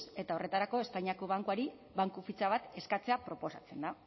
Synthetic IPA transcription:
se̞t̪ao̞re̞t̪aɾako̞e̞spajɲako̞β̞aŋkuaɾi | βaŋkufit͡saβ̞at̪e̞skat͡se̞apɾo̞po̞sa̰t͡se̞nd̪a

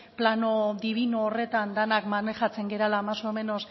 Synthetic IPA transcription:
plano̞ðiβ̞inoːre̞t̪and̪anakmaneʝat͡se̞ŋɡe̞ɾalaːmasome̞no̞s

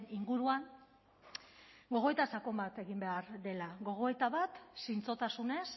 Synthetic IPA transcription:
niŋɡuɾuan | ɡo̞ɣ̞o̞et̪asako̞mbat̪e̞ɣimbe̞aɾd̪e̞laɣo̞ɣ̞o̞et̪aβat̪sint͡so̞t̪asune̞s

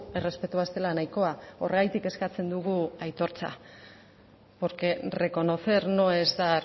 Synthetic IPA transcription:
e̞re̞spe̞t̪uast̪e̞lanajko̞ao̞rɣajt̪ike̞skat͡se̞nd̪uɣuajt̪o̞ɾt͡sa̰ | po̞ɾke̞re̞ko̞no̞θe̞ɾno̞e̞zd̪a

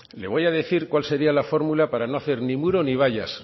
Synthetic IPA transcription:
le̞βo̞jaðe̞θiɾkkwalse̞ɾialafo̞ɾmulapaɾanoaθe̞ɾnimuɾo̞niβ̞aʝas

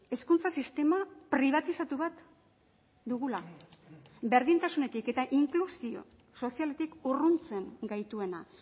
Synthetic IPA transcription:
e̞skunt͡sasist̪e̞mapɾiβ̞at̪isat̪uβat̪ | d̪uɣ̞ula | be̞ɾð̞int̪asune̞t̪ike̞t̪aʔiŋklusio̞̰ | so̞siale̞t̪ikurunt͡se̞ŋɡajt̪ue̞na

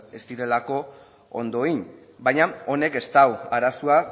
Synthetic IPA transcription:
e̞st̪iɾe̞lako̞ | o̰nd̪o̞iɲ | bajɲao̞ne̞ke̞st̪awaɾasua

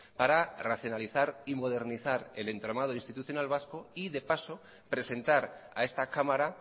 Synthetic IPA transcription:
paɾaraθjo̞naliθaɾimo̞ð̞e̞ɾniθaɾe̞le̞nt̪ɾomað̞oinst̪it̪uθjo̞nalβ̞askoiðe̞paso | pɾe̞se̞nt̪aɾa̰e̞st̪akamaɾa

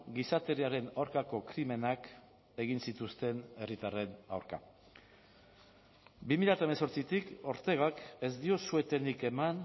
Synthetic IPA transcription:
ɡisat̪e̞ɾiaɾe̞nawɾkako̞kɾime̞nak | e̞ɣ̞insit̪ust̪e̞ne̞rit̪are̞na̰wɾka̰ | bimiʎjat̪aemeso̞ɾt͡sit̪iko̞ɾt̪e̞ɣ̞ake̞zd̪io̞sue̞t̪e̞nike̞man

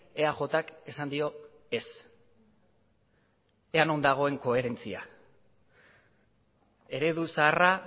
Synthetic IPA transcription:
e̞aʝo̞t̪akesand̪io̞ | e̞s | e̞ano̞nd̪aɣ̞o̞e̞ŋko̞e̞ɾe̞nt͡sia̰ | e̞ɾe̞ðusaːra

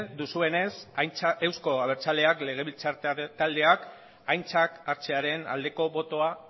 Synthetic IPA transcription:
d̪usue̞ne̞sewsko̞aβ̞e̞ɾt͡sale̞akle̞ɣ̞e̞βilt͡sat̪ald̪e̞ak | ajnt͡sakaɾt͡se̞aɾe̞na̰ld̪e̞ko̞βo̞t̪o̞a

